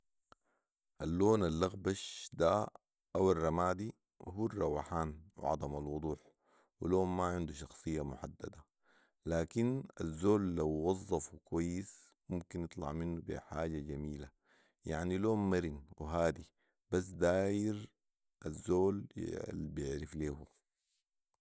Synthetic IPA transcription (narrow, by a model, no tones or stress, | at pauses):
ʔalːoːnalːɑɣbaʃd̪a | ʔawarˤːɑmaːd̪i | huːrˤːɑwaħaːnw̰ʕɑ̰d̪ˤɑmalwʊd̪ˤuːħ | wiloːmmaʕɪnd̪uʃɑxsˤɨjːamʊħad̪ːad̪a | laːkina̰zːoːlːawːɑzˤːɑfukwajːis | mʊmkinjɨt̪ˤlɑ̰ʕminːubḭħaːɟad͡ʒamiːla | ja̰ʕniloːmːaɾinwiɦaːd̪i | b̥as̬ːd̪aːjiɾ | ʔazːoːl̰ | bijɪʕɾifleːhu